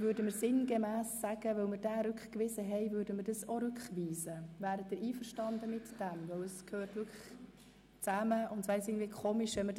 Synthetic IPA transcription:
vʏːɾdəməɾsɪnɡemæːsːæɡ̥əvœʊməɾd̥æːɾʉkχkʋɪzəɦɛɪvʏɾdəməɾdɑsoɾʏkχʋiːzəvæːɾəd̥̪ɪɾiːfəɾʃtɑndəmɪtd̥ɛmvœwəskʰøːɾtvʏɾkʰə̥ | t͡sæməʔʊntsʋɛɪsɪɡŋndviːkʰoːmiʃɛməd

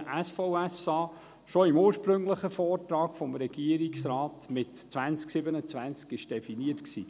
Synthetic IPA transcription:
ʔæsfɔʊɛsɑː | ʃɔɪmuːɾʃpɾɵŋləχəfɔːrtɾɑːkfɔmɾɛɡ̥iəɾiksɾɑːtmɪtt͡svænt͡sksɪbənət͡svænt͡skɪʃd̥ɛfiniətksḭː

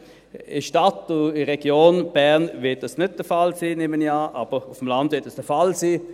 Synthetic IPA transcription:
ɪʃtatʊɪʁɛɡ̥joːnb̥ɛʁnvɪɐt̚d̥ɑsnʏt̚d̥əfalsiːneːməniaːʔaːb̥əʊfm̩landvɪɐtɛsd̥əfalsiː

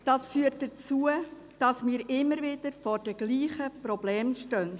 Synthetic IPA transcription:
d̥ɑsfyːətdət͡suə | d̥ɑsmɪːɾɪmːəɾvɪdəɾfɔːɾd̥ɛɡ̥liːχəprɔblɛːmʃtœn

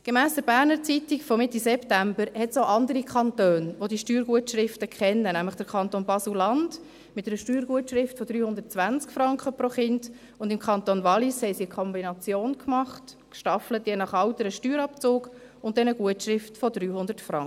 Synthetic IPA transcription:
ɡ̥emæːsd̥əɾbæːɾnəɾt͡sitikfɔmɪtisɛptæmbəɾhɛtsoʊʔɑndəɾikχɑnt̪øːnʋodiʃtyːɾɡ̥uətʃɾɪftəkχɛnːənæmləχd̥əɾkʰɑntonbɑs̩lɑnd | mɪtɛɾəʃtyːɾɡuətʃɾɪftfɔd̥ɾyːhʊnd̥̪əɾtt͡sʋænt͡skfɾɑŋkχəpɾoχɪnd | ʊndɪmkʰχɑnt̪onvɑlishɛɪsiəkʰɔmbinɑt͡sjoːnkmɑχt | kʃtɑflətjɛnɑχɑwtəɾəʃtyːɾɑpt͡soːɡ | ʊntd̥ɛnəɡuətʃɾɪftfɔdɾyːhʊnd̥əɾtfɾɑŋə

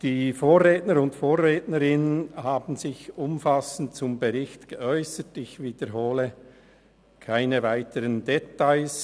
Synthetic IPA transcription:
d̥iːfoːɾʁeːtnəɾʊntfoːɾʁeːtnəɾɪnənhaːbn̩zɪçʊmfasn̩tt͡sʊmbəʁɪçtɡ̥əʔɔʏsətɪçviːdəɾɦoːlə | kʰaɪnəvaɪtʰəɾəndetaɪs

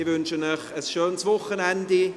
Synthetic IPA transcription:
ɪvʏnʃənəχəsʃøːnsvʊχənɛndi

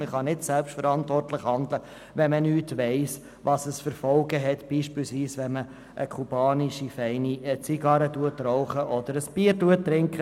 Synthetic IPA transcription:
mɪχɑnɪtsɛlpʃtfəɾɑntvɔrtləχhɑnd̪lə | ʋɛnmənyːtʋɛɪs | ʋɑsəsfəɾfɔlɡəɦɛt̪b̥iːʃpilsʋiːsʋɛnmə | ʔəkʰub̥ɑːniʃifɛɪnit͡siɡɑɾətuətɾɔʊχəʔɔd̪əɾəsb̥iːəɾduətːɾɪŋkχə

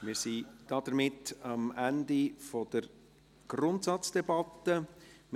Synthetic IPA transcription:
mɪːɾsid̥ɑd̪əɾmɪtɑmændifɔd̥̪əɾ | ɡ̥rʊntsɑt͡sd̥ɛbɑt̪ːəm

